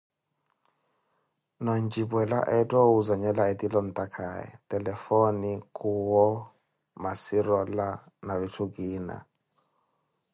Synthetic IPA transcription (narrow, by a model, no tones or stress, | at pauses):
nɔnd͡ʒibwɛla̰ʔɛtʼɔuzaɲɛlaɛtʼilɔn̩t̪ʼakʰa̰ɛ̰tɛlɛfɔnikʰʼuwɔ | masiɾɔla | naβitʰukiːna̰